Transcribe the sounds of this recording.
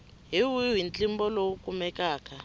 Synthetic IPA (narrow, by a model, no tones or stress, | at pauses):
ɦiwiwint͡ɬʼimbɔlowukʼumɛkaːkʰʼa